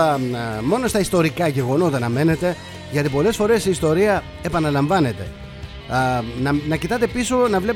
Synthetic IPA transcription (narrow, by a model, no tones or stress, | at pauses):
mo̞no̞st̪ɐist̪o̞ɾikɐʝe̞ɣo̞not̪̬ɐnɐme̞ne̞t̪e̞ | ʝɐt̪ipo̞le̞sfo̞ɾe̞siist̪o̞ɾiɐ | e̞pɐnɐlɐɱvɐne̞t̪e̞̰ | nɐnɐcit̪ɐt̪e̞piso̞nɐvle̞p